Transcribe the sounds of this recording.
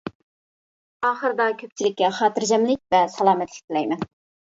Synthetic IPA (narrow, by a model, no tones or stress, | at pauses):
ɑːχəɾɨd̪ɑkʲʰøp̚t͡ʃʰilɪkʲːɛχɑːt̪ʰɨɾd͡ʒɛmlɪk̚ʲvɛsɑlˠɑːmɛt̪lɪ̥k̚ʲt̪ɪlɛjmɛn